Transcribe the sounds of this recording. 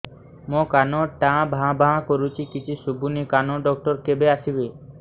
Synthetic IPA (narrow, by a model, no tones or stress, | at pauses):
mõkanoʈãbʱãbʱaãkoɾut͡ʃʰikit͡ʃʰisubʱunikanoɖɔk̚ʈɔɾkebeasibe